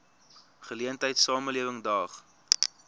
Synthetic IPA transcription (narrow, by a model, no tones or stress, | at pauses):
χəliəntəjtsɑːməliəvəŋdɑːχ